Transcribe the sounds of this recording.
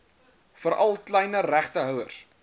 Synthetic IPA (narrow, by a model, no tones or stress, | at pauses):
fəɾʔɐlˠklɛjnəɾæχtəɦœwərs